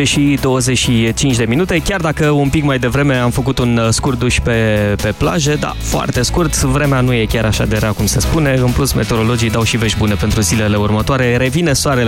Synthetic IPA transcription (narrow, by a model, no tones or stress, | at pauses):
eʃid̪o̞wəzet͡ʃʃit͡ʃint͡ʃd̪e̞minut̪e̞kʲjard̪akəumpikmajd̪e̞vɾe̞me̞amfək̬ut̪unskurt̪̚d̪uʃʲpe̞pe̞pla̰ʒe̞d̪a̰foa̰rt̪e̞skurt̪vɾe̞meanuje̞kʲaɾaʃad̪eɾakumse̞spune̞ɨnplusme̞t̪eoɾo̞lo̞d͡ʒijd̪awʃive̞ʃbune̞pe̞nt̪ɾuzile̞le̞urmət̪oaɾe̞ɾe̞vinesoaɾe